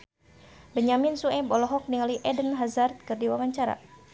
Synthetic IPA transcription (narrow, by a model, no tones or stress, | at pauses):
bəɲamɪnsuɛbɔlɔɦɔk̚niŋaliʔɛdənɦazart̪̚kɨrdiwaŋaɲt͡ʃaɾa̰